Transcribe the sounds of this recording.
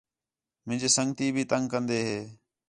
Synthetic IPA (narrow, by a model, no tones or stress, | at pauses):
mɪ̃nd͡ʒeːsəŋɡt̪iːbʱiːt̪əŋkənd̪eːɦeː